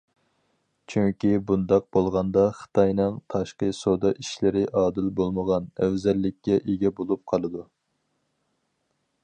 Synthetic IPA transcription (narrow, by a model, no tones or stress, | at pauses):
t͡ʃʰyŋkʲibund̪ɑq̚b̥olˠʁɑnd̪ɑχə̥t̪ʰɑjnɨŋt̪ʰɑʃqəsod̪ɑʔiʃlɪɾɪʔɑːd̪ɪlbolˠməʁɑnɛwzɛlːɪkʲːɛʔeɡʲɛbolˠup̚qʰɑlˠɨd̪u